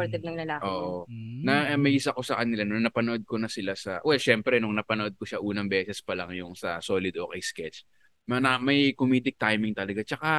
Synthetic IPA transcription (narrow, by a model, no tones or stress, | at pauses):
ɾt̪ɛd̪nɐŋlɐlaːʔoːʔonɐmɐjʔɪsɐko̞sɐkɐnɪlanʊŋnɐpɐnoʔod̪̚konɐsɪlasɐwɛlʃɛmpɾɛnʊŋnɐpɐnoʔo̞d̪̚koʃaʔuːnɐŋbɛːsɛspɐlaŋjʊŋsɐ̰so̞ːlɪd̪ʔoːkɛjskɛt͡ʃ | mɐnɐmɐjkomiːd̪ɪk̚t̪ajmɪŋt̪ɐlɐɡat͡ʃɐka